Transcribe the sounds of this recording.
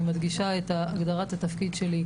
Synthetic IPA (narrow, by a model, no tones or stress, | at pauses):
mad̪ɡiʃaet̪aːɡd̪aʁat̪at̪afkid̪ʃe̞li